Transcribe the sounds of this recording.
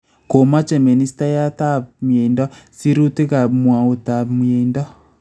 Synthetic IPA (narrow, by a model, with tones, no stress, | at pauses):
ko˨ma˦t͡ʃɛ˨mi˨ni˦sta˦ja˦ta˦mje˨ndɔ˦si˦ɾu˦te˦ɣa˨mwa˨o˨ta˨me˨ndɔ˦